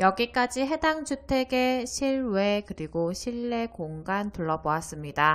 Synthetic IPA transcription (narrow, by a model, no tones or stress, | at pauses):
jʌɡik͈ad͡ʑiɦe̞daŋd͡ʑutʰe̞ɡe̞ɕʰiɭwe̞kɯɾiɡoɕʰiɭːe̞koŋɡantuɭːʌboas͈ɯmɲida